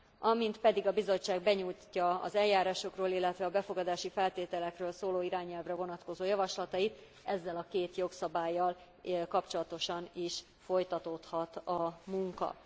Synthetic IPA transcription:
ɒmint̪pɛd̪iɡɒbizo̞t͡ʃːaːɡ̚bɛɲujcːɒɒ̰zɛljːaːɾaːʃo̞kroːlilːɛt̪ʋɛɒbɛfo̞ɡɒd̪aːʃifɛlt̪eːt̪ɛlɛkrøːlsoːloːiɾaːɲɛlvrɛvo̞nɒt̪ko̞zoːjɒvɒʃlɒt̪ɒjit̪ | ɛzːɛlɒkeːt̪jo̞ksɒbaːjːɒl | kɒpt͡ʃo̞lɒt̪o̞ʃɒniʃ | fo̞jt̪ɒt̪o̞t̪hɒt̪ɒmuŋkɒ̰

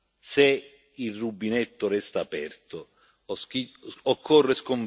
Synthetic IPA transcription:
se | irːubːinɛt̪ːʊɾɛst̪aːpɛrt̪o | ɔskiokʰːɔrːeskoɱ

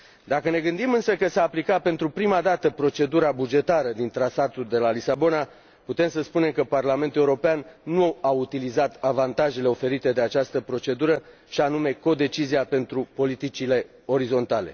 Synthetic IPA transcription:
d̪akəne̞ɡɨnd̪imɨnsəkəsaːplikape̞nt̪ɾupɾimad̪at̪əpɾo̞t͡ʃe̞d̪uɾabud͡ʒe̞t̪aɾəd̪int̪ɾasat̪uld̪e̞lalisabo̞na | put̪e̞msəspune̞mkəparlame̞nt̪uleuɾo̞peannuaut̪ilizat̪avant̪aʒe̞le̞o̞fe̞ɾit̪e̞d̪e̞at͡ʃast̪əpɾo̞t͡ʃe̞d̪uɾə | ʃianume̞ko̞d̪e̞t͡ʃiziape̞nt̪ɾupo̞lit̪it͡ʃile̞ | o̞ɾizo̞nt̪ale̞̰

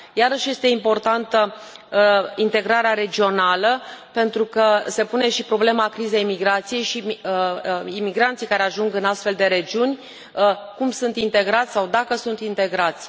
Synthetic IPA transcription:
jaɾəʃje̞st̪e̞impo̞rt̪ant̪ə | int̪e̞ɡɾaɾeaɾe̞d͡ʒio̞naləpe̞nt̪ɾukəse̞pune̞ʃipɾo̞ble̞makɾizejmiɡɾat̪sije̞jʃi | imiɡɾant̪sijkaɾe̞aʒuŋɡɨnast̪fe̞ld̪e̞ɾe̞d͡ʒiunʲ | əkumsunt̪int̪e̞ɡɾat̪sʲsawd̪akəsunt̪int̪e̞ɡɾat̪sʲ

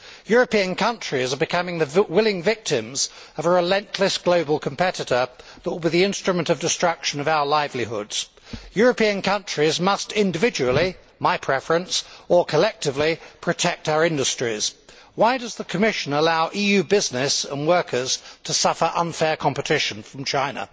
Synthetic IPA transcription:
jʊɹɨpiɨ̃nkʰʌ̃nt͡ʃɹ̥izəbɨkʰʌmɪ̃ŋðɨwɪlˠɪ̃ŋvɪk̚tʰɪ̃mz | ʌvəɹɨlɛ̃nʔʰləsɡ̥loʊbəl̩ˠkʰə̃m̩pʰɛɾɨɾə˞ðət̚wlˠbiðiɪ̃nstɹ̥ɨmə̃ntʌvdɨstɹ̥ʌkʃɨ̃nʌvaʊəlaɪvliɦʊ̰dz̥ | jʊɹɨpiɨ̃nkʰʌ̃nt͡ʃɹ̥izmʌstɪ̃ndɨvɪd͡ʒɨwl̩ˠi | maɪpʰɹ̥ɛfəɹɨ̃nsə˞kʰəlɛk̚tɨvlipʰɹ̥ɨtʰɛk̚taʊə˞ɪ̃ndɨstɹ̥iz̥ | waɪdʌzðəkʰɨmɪʃɨ̃nəlaʊʔijʉbɪznɪsə̰̃nwɜ˞kʰə˞z̥tʰəsʌfə˞ʔʌ̃nfɛɹkʰɑ̃mpɨtʰɪʃn̩fɹʌ̃mt͡ʃʰãɪ̃nə̰

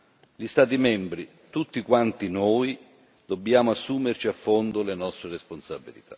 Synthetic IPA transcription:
ʎist̪aːt̪̬imɛmbɾi | t̪ut̪ːikwant̪inoːj | d̪obːjaːmʊasːuːmert͡ʃiafːond̪ʊlenɔst̪ɾeresponsabilḭt̪ʰa

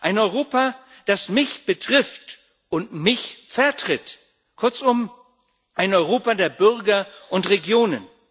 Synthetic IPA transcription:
ʔaɪnɔʏʁoːpa | d̥asmɪçb̥ətʁ̥ɪft | ʊntmɪçfɛɐtʁ̥ɪt | kʰʊɐt͡sʊm | ʔaɪnɔʏʁoːpadeːɐbʏʁɡɐʔʊntʁeɡjoːnən

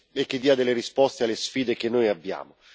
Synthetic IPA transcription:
ekːid̪ːiːad̪elːeɾispɔst̪ealːesfiːd̪ek̟enːojabːja̰ːmo

